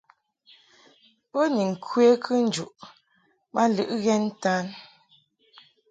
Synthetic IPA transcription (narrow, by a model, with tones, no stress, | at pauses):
po˦ni˨ŋ̩˨kʰwe˦kʰɨ˦n̩˨˦d͡ʒu˨ʔ | ma˦lɨ˦ʔɣɛ˦n˦taː˦n